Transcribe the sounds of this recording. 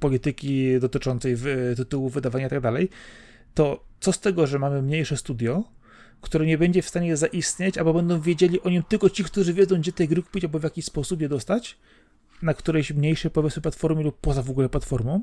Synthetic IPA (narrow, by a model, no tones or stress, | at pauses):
pɔlʲit̪ɘkʲid̪ɔt̪ɘt͡ʂɔnt̪sɛjvt̪ɘt̪uwuvɘd̪avaɲait̪aɡ̚d̪alɛj | t̪ɔt̪sɔst̪ɛɡɔʐɛmamɘmɲejʂɛst̪ud̪ʲjɔ | kt̪uɾɛɲɛbɛɲd͡ʑɛfst̪aɲɛjɛzaʔist̪ɲet͡ɕalbɔbɛnd̪ɔ̃w̃vʲjed͡ʑelʲiʔɔɲimt̪ɘlkɔt͡ɕikt̪uʐɘvʲɛdzɔ̃w̃ɡd͡ʑɛt̪ɛjɡɾɘku̥pʲit͡ɕalbɔvʲjakʲiɕspɔsup̬jɛd̪ɔst̪at͡ɕ | nakt̪uɾɛɕmɲejʂɛpɔvʲɛsmɛp̬lat̪fɔɾmʲɘlupːɔzavɔɡulɛplat̪fɔɾmɔ̃w̃